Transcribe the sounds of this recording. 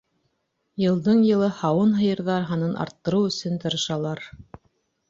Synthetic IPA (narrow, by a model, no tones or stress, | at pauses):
jɤ̆lˠd̪ɤɴjɤ̆lˠɤhɑwɤnɦɤ̆jɤ̆ɾðɑɾɦɑnɤnʔɑ̰ɾt̪ːɤ̆ɾɤwɵ̆sɵnt̪ɤ̆ɾɤ̆ʃɑlˠɑɾ